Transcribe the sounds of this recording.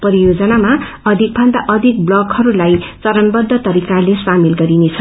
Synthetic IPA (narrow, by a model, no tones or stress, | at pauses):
pʌɾijod͡zʌnama | ʌd̪ʱik̚bʱʌnd̪aʔʌd̪ʱik̚blʌkhʌɾulajt͡sʌɾʌnbʌd̪ʱːʌt̪ʌɾikalesamilɡʌɾinet͡sʰʌ